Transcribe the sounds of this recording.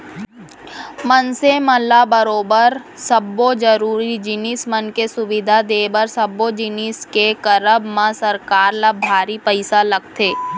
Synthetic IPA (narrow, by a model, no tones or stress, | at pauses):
mɐnsemɐlːabɐɾoːbəɾsɐbod͡ʒɐɾuːɾid͡ʒɪniːsmɐnkesʊʋɪd̪ʱad̪eːbəɾsɐbːod͡ʒɪniskekɐɾəbmãsɐɾkaːɾlabʱaːɾipəɪsalɐɡ̚t̪ʰeː